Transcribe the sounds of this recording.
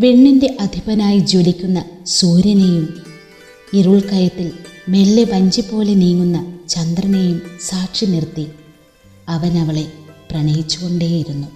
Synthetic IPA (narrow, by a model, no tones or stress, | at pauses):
ʋeɳːinde̞ʔɐd̪ʱibɐnaːjid͡ʑoːlikʲːunːɐsuːɾjɐnejum | iruɭkɐjɐt̪ːilme̞lːeʋɐɲd͡ʑipːo̞ːle̞niːŋːunːɐt͡ɕɐnd̪rɐnejumsaːʈʂinirt̪ːi | ɐʋɐnɐʋɐɭe̞prɐɳejit͡ɕːuɣo̞ɳɖe̞ːjiɾunːu